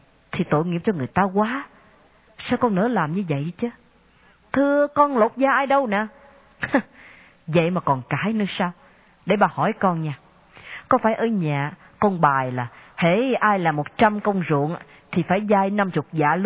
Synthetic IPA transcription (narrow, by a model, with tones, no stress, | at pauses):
t̪ʰi˨˩t̪o̰˧˨jŋḭ˧˨əmt͡ɕɔ˧ŋɨ˨˩əjt̪aː˧kwaː˨˦ | saː˧wkɔ˧nnɨ̰˧˥əlaː˨˩mɲɨ˧və̰˧˨jt͡ɕə˨˦ | t̪ʰɨ˧əkɔ˧nlo˨˩t̚zaː˧ʔaː˧jɗə˧wna̰ː˧˨˧ | və̰˧˨jmaː˨˩kɔ˨˩nkaː˨˩˦jnɨ˧saː˧w | ɗe˧˩ɓaː˨˩hɔ˧˩jkɔ˧nɲaː˧ | kɔ˨˦faː˧˩jʔəː˧ɲa̰ː˨ | kɔ˧nɓaː˨˩jlaː˨˩hḛ˧˥ʔaː˧jlaː˨˩mo˨˩t̚t͡ɕa˧mkə˧wŋ͡mzṵ˧˨əŋ | t̪ʰi˨˩faː˧˩jzaː˧jna˧mt͡ɕʊ˨˩t̚za̰ː˧˨l